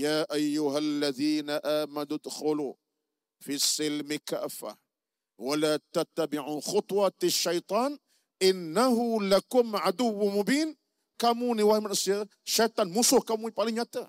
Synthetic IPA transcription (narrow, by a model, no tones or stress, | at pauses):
jaːʔajːʊɦalːaðiːnaʔaːmanʊd̪xʊlu | fisːɪlmɪka̰ʔfa̰ | walaːt̪at̪ːabɪʕuːxʊt̪ˤwɑʃːɑjt̪ˤɑːn | ʔɪnːahʊlakʊmʕad̪ʊwːmʊbiːn | kamuːniwahmanasjaːd̪a | ʃːajt̪ˤɑːnmʊsuhkamuːnipalinat̪a